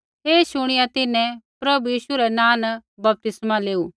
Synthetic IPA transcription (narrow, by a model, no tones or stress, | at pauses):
ɦeːʃʊɽ̃ɪjat̪ɪnɛ̃pɾɐbujiːʃuɾɛnãːnbɐp̚t̪ɪsmaleːuː